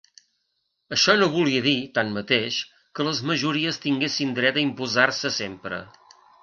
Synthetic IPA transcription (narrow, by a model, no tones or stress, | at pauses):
əʃɔnoβuliəðit̪anmət̪eʃ | kələzməʒuɾiəst̪iŋɡesind̪ɾɛt̪əimpuzarsəsempɾə̰